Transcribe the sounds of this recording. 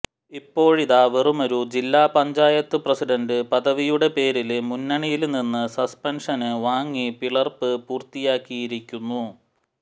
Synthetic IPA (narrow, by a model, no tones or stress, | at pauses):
ipːo̞ːɻiðaːʋerumo̞ɾud͡ʑilːaːpɐɲd͡ʑaːjɐt̪ːɨprɐsiɖɐndɨpɐðɐʋijuɽe̞pe̞ːɾilmunːɐɳijilninːɨsɐspɐnʂɐnɨʋaːŋːipiɭɐrpɨpuːrt̪ijaːkːijiɾikʲːunːu